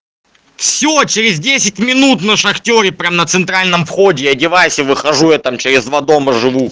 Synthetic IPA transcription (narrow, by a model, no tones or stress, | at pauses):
fsʲot͡ɕɪɾʲɪzʲdʲesʲɪtʲmʲɪnut̪nəʂɐxtʲo̞ɾʲɪpɾʲamnət̪sɨnt̪ɾalʲnəmfxodʲɪɐdʲɪvajsʲəvɨxɐʐuɛt̪ɐmt͡ɕɪɾʲɪzd̪vad̪o̞məʐɨvu